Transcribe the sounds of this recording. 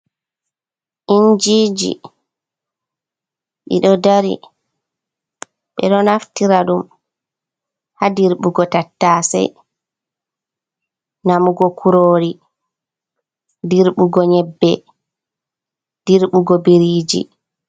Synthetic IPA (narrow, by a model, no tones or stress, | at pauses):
ʔind͡ʒiːd͡ʒḭ | ɗḭɗɔdaɾḭ | ɓɛ̰ɗɔnaftiɾaɗum | hadiɾɓuɡɔtatːaːsɛ̰j | namuɡɔkʰuɾoːɾi | diɾɓuɡɔɲɛbːɛ | d̥iɾɓuɡɔbiɾiːd͡ʒḭ